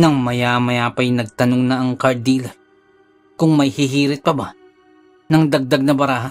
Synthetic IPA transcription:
nɐŋmɐjamɐjaːpɐjnɐɡ̚t̪ɐnoŋnɐʔɐŋkɐɾd̪iːlɐ | kʊŋmɐjhɪɦiːɾɪt̪̚pɐba | nɐŋd̪ɐɡ̚d̪aɡ̚nɐbɐɾaːɦa

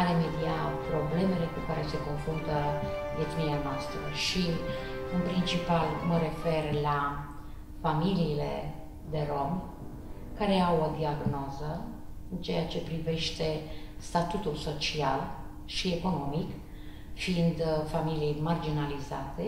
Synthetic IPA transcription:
aɾemed̪iapɾo̞ble̞me̞le̞kukaɾe̞se̞ko̞nfɾunt̪ə | d̪efinilanast̪ivəʃiɨnpɾint͡ʃipalməɾe̞fe̞rla | familiːle̞̰ | d̪e̞ɾo̞m | kaɾe̞awod̪iaɡno̞zə | ɨnt͡ʃejat͡ʃe̞pɾive̞ʃt̪e̞st̪at̪ut̪ulso̞t͡ʃial | ʃie̞ko̞no̞mik | fiind̪familiejmard͡ʒinalizat̪e̞

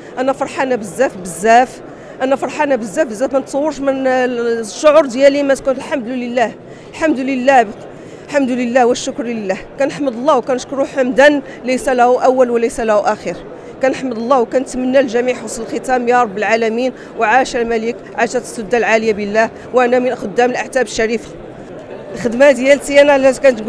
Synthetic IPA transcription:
ʔænæfɑɾˤħanæbəzːæfbəzːæf | ʔænæfɑɾˤħanæbəzːæfbəzːæfmænt̪sˤɑwːəɾˤʃmə | ʃːʊʕʊɾd̪jælimæt̪kunəlħamd̪ləlːæh | lħamd̪ləlːæb | ħamd̪ləlːæhwəʃːʊkɾləlːæhkænəħməd̪ˤəlˤːɑwkænəʃkɾuħamd̪æn | læjsælæhuʔæwːælwləjsælæhuʔæxiɾ | kænəħməd̪lˤːɑhwkænət̪mənːælʒæmiʕħosˤləlxət̪æmjɑɾˤɑbːəlʕalæmin | wʕaʃælmælik | ʕaʃæt̪sˤʊd̪ːalʕaləjabəlːæh | wʔænæmənʔæxʊd̪ːæməlʔəħt̪æbəʃːæɾif | xəd̪mæhd̪jælt̪jænæækænt̪

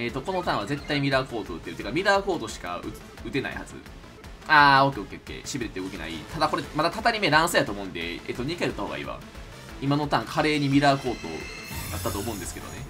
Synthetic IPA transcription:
e̞t̪ːoko̞no̞t̪ãɰ̃βaze̞t̪ːaimʲiɾako̞ːt̪ot̪ːeɯ̟t̪ekamʲiɾaːko̞ːt̪o̞ɕi̥ka̰ɯ̟ | ɯ̟t̪e̞na̰ḭhazɨ̰ | aːo̞kʲːe̞oke̞okʲːe̞̰ɕibiɾet̪eɯ̟ɡo̞kʲena̰ḭt̪ad̪ako̞ɾemad̪at̪at̪aɾʲimeɾãɰ̃sɨjat̪oːmo̞ɯ̟nd̪e̞̰ḛt̪ːoɲ̟ikaeɯt̪ːahoːɡa̰ḭβa̰ | imanot̪ãŋkʰaɾe̞ːɲ̟imʲiɾaːko̞ːt̪o̰ | d̪at̪ːat̪oːmo̞ɯ̃nd̪e̞sɨ̥ked̪one̞

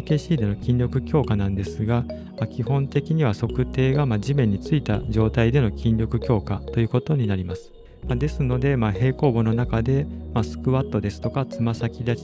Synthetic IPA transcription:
ke̞ːɕiːd̪e̞no̞kʲĩɲɾʲo̞kɯ̟kʲo̞ːkanãnd̪e̞sɨɡa | makʲihõ̞nt̪e̞kʲiɲ̟iβaso̞kɯ̟t̪e̞ːɡamaʑimẽ̞ɲ̟ːit͡sɨit̪aʑo̞ːt̪aid̪e̞no̞kʲĩnɾʲo̞kɯ̟kʲo̞ːkat̪o̞jɯ̟ːko̞t̪o̞ɲ̟inaɾʲimasɨ̥ | mad̪e̞sɨno̞d̪e̞mahe̞ːko̞ːbo̞no̞nakad̪e̞masɨ̥kɯ̟βat̪ːo̞d̪e̞sɨ̥t̪o̞kat͡sɨmasakʲid̪at͡ɕ

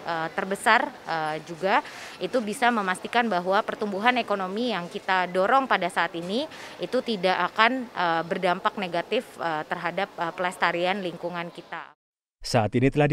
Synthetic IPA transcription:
ʔət̪ərbəsarəd͡ʒuɡait̪ubisaməmast̪ikanbaɦwapərt̪umbuɦanekonomijaŋkit̪adoɾɔŋpadasaːt̪iniit̪ut̪idakakanəbərdampak̚neɡat̪ɪfət̪ərɦadap̚əpːlast̪aɾianliŋkuŋankit̪a̰ | saːt̪init̪əlahd

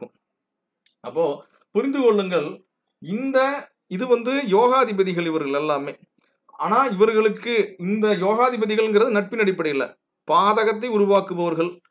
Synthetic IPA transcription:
ɯm | ɐpːoː | pʊɾɪnd̪ɯkɔɭːɯŋɡɐɭ | ɪnd̪ɐ | ɪðɯʋɐnd̪ɯjoːɣaːðɪbɐðɪɣɐɭɪʋɐɾɣɐɭɛlːaːmeː | aːnaːɪʋɐɾɣɐɭɯkːɯɪnd̪ɐjoːɣaːðɪbɐðɪɣɐɭɛŋɡɪɾɐðɯnɐʈ̚pɪnɐɽɪpːɐɽɐjɪlːɐ̰ | paːðɐɣɐt̪ːɐɪʊɾʊʋaːkɯʋɐʋɐɾɣɐɭ

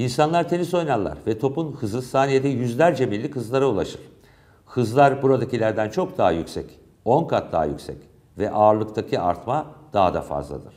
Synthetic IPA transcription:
insanlˠaɾt̪ʰe̞niso̞jnanlːˠa̰ɾvɛt̪ʰo̞punhɯzɯsaːnije̞d̪ɛjyzlʲæɾd͡ʒɛmillːʲikhɯzlˠaɾaulˠaʃɯɾ̥ | hɯzlˠaɾbuɾad̪acilʲæɾd̪ænt͡ʃʰo̞k̚d̪aɦajycsɛc | o̞nkʰat̪̚d̪a̰ɦa̰jy̰cʲsɛ̰c | vɛʔaːɾlˠɯkt̪ʰacʰia̰ɾt̪mad̪̥aɦad̪a̰fa̰zlˠa̰d̪ɯ̰ɾ̥

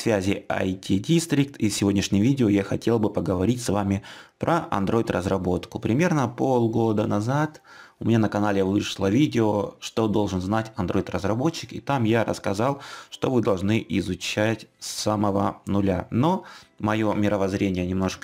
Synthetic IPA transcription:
svʲæzʲɪɐ̰jtʲidʲist̪ɾʲik̚t̪isʲɪvo̞dʲnʲɪʂnʲɪjvʲidʲɪojaxɐtʲe̞lˠbɨpəɡəvɐɾʲitʲsvamʲɪpɾʔəʔɐ̰nd̪ɾo̞ɪt̪rəzrɐbo̞t̪kʊpɾʲɪmʲe̞rnəpo̞lˠɡo̞d̪ənɐzat̪ʊmʲɪnʲanəkɐnalʲɪvɨʂlˠəvʲidʲɪoʂt̪o̞d̪o̞lˠʐɨnznatʲɐnd̪ɾo̞ɪt̪rəzrɐbo̞t͡ɕːɪkɪ̰t̪amjaɾə̰skɐzɑlˠʂt̪o̞vɨd̪ɐlˠʐnɨʔɪzʊt͡ɕætʲsaməvə̰nʊlʲano̞mɐjo̞mʲɪɾəvɐzɾʲenʲɪjənʲɪmno̞ʂk

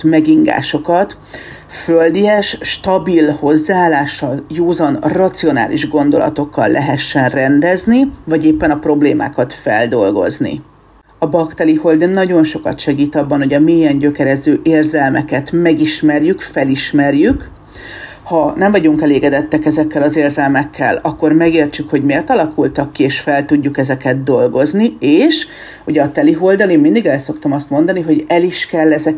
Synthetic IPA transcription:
mɛɡiŋɡa̰ːʃo̞kɒt̪ | føld̪iɛʃʃt̪ɒbilho̞zːaaːlːaːʃːɒljoːzɒnrɒt̪sio̞na̰ːliʒɡo̞n̪d̪o̞̰lɒ̰t̪o̞kːɒ̰lːʔɛɦɛʃːɛnrɛnd̪ɛznivɒɟeːpːɛnɒpro̞bleːma̰ːkɒt̪fɛld̪o̞lɡo̞̰znḭ | ɒbɒkt̪ɛliho̞ld̪ønnːɒɟo̞nʃo̞kɒ̰t̪ʃɛɡiːt̪ɒbːɒnɦo̞ɟɒmeːjɛɲɟø̞kɛɾɛzøːʔeːrzɛlmɛkɛt̪mɛɡiʃmɛrjykfɛliʃmɛrjyk | hɒnɛɱvɒɟuŋkɛleːɡɛd̪ɛt̪ːɛkɛzɛkːɛlɒzeːrzɛlmɛkʰːɛ̰lɒkːo̞rmɛɡeːrt͡ʃykho̞ɟmeːrt̪ɒlɒkult̪ɒkːieːʃfɛlt̪uɟːukɛzɛkɛd̪̚d̪o̞lɡo̞znieːʃ | uɟɛɒt̪ɛliɦo̞ld̪ɒliːmmind̪iɡɛlso̞kt̪ɒmɒst̪mo̞nd̪ɒniɦo̞ɟɛliʃkɛlːɛzɛ

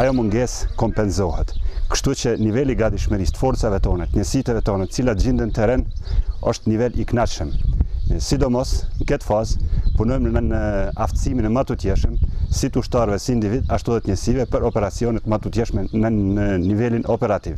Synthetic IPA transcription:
ajɔmuŋɡɛskɔmpɛnzɔhɛt̪kə̥ʃt̪ut͡ʃənivɛliɡad̪iʃməɾist̪ə̥fɔɾt͡savɛt̪ɔnat̪əɲɛsit̪ɛvɛt̪ɔnat̪ə̥t͡silat̪d͡ʑind̪ənət̪ɛɾɛnɔ̰ʃt̪nivɛliknaʃəm | sid̪ɔmɔsŋəkɛt̪fazpunɔjmnəaft̪siminɛmat̪ut̪jɛʃəmsit̪uʃt̪aɾvɛsiːnd̪ivid̪aʃt̪uðɛt̪ɲɛsivɛpəɾɔpɛɾat͡siɔnɛt̪mat̪ut̪jɛʃmɛnənənivɛlinʔɔpɛɾat̪iv

